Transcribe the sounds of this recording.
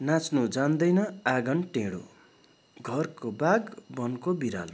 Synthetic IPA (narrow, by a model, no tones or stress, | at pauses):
nat͡snud͡zand̪ʌjnʌaɡʌnʈeɽo̰ | ɡʱʌrkobaɡbʌnkobiɾa̰l